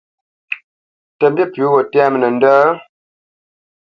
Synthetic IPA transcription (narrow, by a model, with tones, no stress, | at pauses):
tə˨mbi˦pu˨˦wə˨tɛ˦m˨nə˨n̩˦dəː˦